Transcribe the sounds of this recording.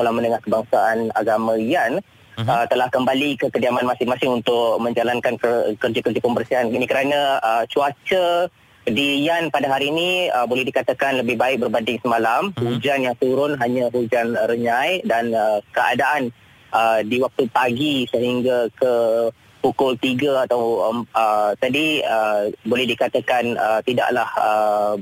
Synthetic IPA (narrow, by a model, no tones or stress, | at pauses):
kolamə̃nəŋahkəbaŋsaana̰ɡamə̃ijan | ət̪əlahkəmbalikəkədiamanmasɪŋmasɪŋunt̪ʊk̚mə̃ɲd͡ʒalankankəkərd͡ʒakərd͡ʒapəmbərsiɦaninikəɾanãət͡ʃuat͡ʃə | dijanpadaɦaɾiːnĩəbolɛhdikat̪akanləbɪhbaɪk̚bərbandɪŋsəmalamhud͡ʒanjaŋt̪uɾʊnɦaɲaɦud͡ʒanrəɲãjdanəkəa̰daʔan | ʔədiwak̚t̪upaɡisəɦiŋɡakə | pukʊlt̪iɡaat̪awəət̪adiəbolɛhdikat̪akanət̪ida̰ʔlahə